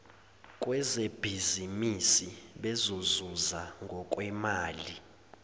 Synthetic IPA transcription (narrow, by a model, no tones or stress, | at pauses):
kʼwɛzeb̥ʱizimisiɓɛzozuzaŋɡʱɔkʼwɛmaːli